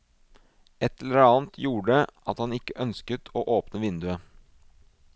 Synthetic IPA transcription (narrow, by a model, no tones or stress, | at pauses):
ɛt̪ːɛləɾɑːnt̪ʰjuːɖəʔɑt̪hɑnɪkːəʔœnskət̪ʰoːʔoːpnəʋɪnd̪ʉə